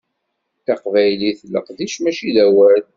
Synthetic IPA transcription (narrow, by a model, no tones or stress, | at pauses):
θɑqvæjliθəlːə̰qðiʃmæʃiðæwæɾl